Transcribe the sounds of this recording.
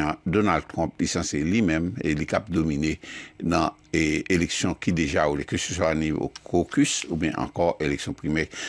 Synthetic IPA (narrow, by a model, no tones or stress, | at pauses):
ãd̪onald̚t̪ʁɔ̃plisɑ̃selimɛ̃melikap̚d̪ominenã | eleksjɔ̃kid̪eʒaulekøsøswanio̰kʰokysubjɛ̃ʔɑ̰̃kɔʁeleksjɔ̃pʁimɛ